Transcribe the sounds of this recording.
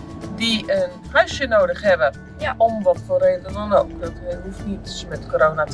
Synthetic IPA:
diən | hœɥsjənoːdəχhɛbə | jaʔomvɔfəlˠreːdədɔnokdɔtɛnifitsmɛtkoɾoːnat͡s

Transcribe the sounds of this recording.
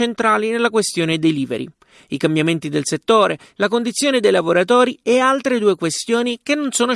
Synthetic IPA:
ent̪ɾaːlinelːakwest̪joːned̪ejliːvḛɾḭ | ikambjament̪id̪elset̪ːoːɾe | lakond̪it̪sːjoːned̪ejlavoɾat̪oːɾiealt̪ɾed̪uːekwest̪joːnikenːonsoːno

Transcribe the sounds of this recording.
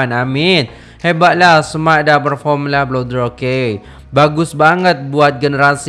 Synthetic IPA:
anamɪn | hebat̪̚lahsəmaʔ̚dapərfɔmlahblodəɾoke | baɡʊsbaŋət̪̚buat̪̚ɡənəɾas

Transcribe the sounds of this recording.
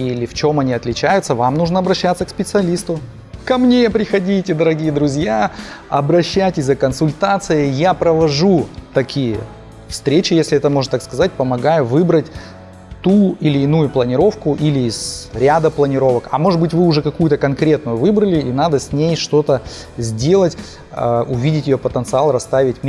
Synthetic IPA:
ilʲɪft͡ɕo̞mɐnʲiɐt̪lʲɪt͡ɕæjʊt̪səvamnuʐnəɐbɾɐɕːat̪səkspʲɪt̪sɨɐlʲist̪ʊ | kɐmnʲepɾʲɪxɐdʲitʲɪd̪əɾɐɡʲijəd̪ɾʊzʲja | ɐ̰bɾɐɕːæjtʲɪsʲzəkənsʊlʲt̪at̪sɨjəjapɾəvɐʐut̪ɐkʲijə̰ | fst̪ɾʲet͡ɕɪjesʲlʲɪɛt̪əmoʐnət̪akskɐzat̚ʲpəmɐɡajʊvɨbɾətʲ | t̪uɪlʲɪːnujʊplˠənʲɪɾo̞fkʊʔilʲɪːzɾʲad̪əplˠənʲɪɾo̞vəkɐmo̞ʐɨd̪bɨtʲvɨʊʐɛkɐkujʊt̪əkɐnkɾʲe̞t̪̚nʊjʊvɨbɾəlʲɪinad̪əsʲnʲejʂt̪o̞t̪ə | zʲdʲe̞lˠətʲ | ʊvʲidʲɪtʲjɪjopət̪ənt̪sɨalˠrɐst̪avʲɪtʲ

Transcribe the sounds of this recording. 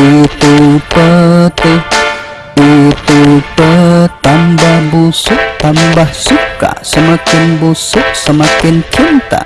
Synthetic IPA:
it̪upət̪ɪh | it̪upət̪ambahbusʊʔ̚t̪ambahsuka̰səmakɪnbusʊʔsəmakɪnt͡ʃint̪a̰

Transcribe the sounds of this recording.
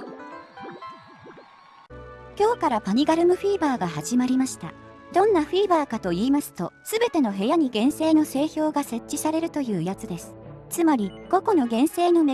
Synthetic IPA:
kʲo̞ːkaɾapaɲ̟iɡaɾɯ̟mɯ̟ɸiːbaːɡaɦaʑimaɾʲimaɕi̥t̪a̰d̪̥õ̞nːaɸiːbaːkat̪o̞iːmasɨ̥t̪o̞sɨbe̞t̪e̞no̞ɦe̞jaɲ̟iɡẽ̞ɰ̃se̞ːno̞se̞ːço̞ːɡase̞t͡ɕːisaɾe̞ɾɯ̟t̪o̞jɯ̟ːjat͡sɨd̪e̞sɨ̥t͡sɨmaɾʲiɡ̥o̞ko̞no̞ɡẽ̞ɰ̃se̞ːno̞n

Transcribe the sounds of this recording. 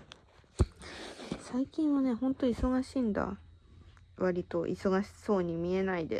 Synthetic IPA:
saikʲĩɰ̃βane̞ɦõ̞nt̪o̞iso̞ɡaɕiːnd̪a̰ | βaɾʲit̪o̞ʔḭso̞ɡaɕi̥so̞ːɲ̟imʲie̞naid̪ḛ

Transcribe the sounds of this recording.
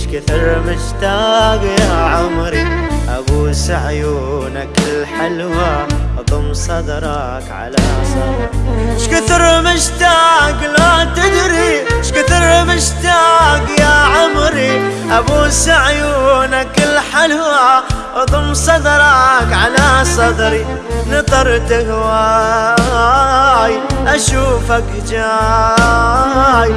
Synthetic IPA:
ʃkɪθɪɾˤmɪʃt̪aɡjaʕʊmɾiʔa̰busaʕjunakɪlħɪlwaʔt̪ˤʊmsˤɑd̪ɾˤɑ | kʕa̰la̰sˤɑ | ʃkʊθɨɾmɪʃt̪aːɡlat̪ɪd̪ɾiʃkʊθɨɾmɪʃt̪aːkjaʕʊmɾi | ʔabuːsaʕjuːnakɪlħalaʔɑðˤʊmsˤɑd̪ɾˤɑkʕalasˤɑd̪ɾi | nɨt̪ˤɑɾˤt̪ahwa | jʔaʃuːfak | d͡ʒa | j

